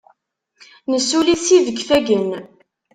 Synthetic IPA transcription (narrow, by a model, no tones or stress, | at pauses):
nəsːulisiðəɡfæɡən